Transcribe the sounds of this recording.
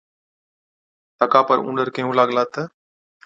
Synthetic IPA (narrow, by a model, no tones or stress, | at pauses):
t̪ɐkaːpəɾṵ̃ːɳɖəɾkɐɦũːlaɠlaːt̪ə